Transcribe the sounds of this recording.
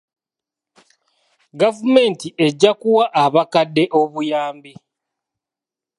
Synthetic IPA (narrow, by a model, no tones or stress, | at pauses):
ɡavume̞ːntiʔe̞ɟːakuwaʔaβakadːe̞ʔo̞βujaːmbi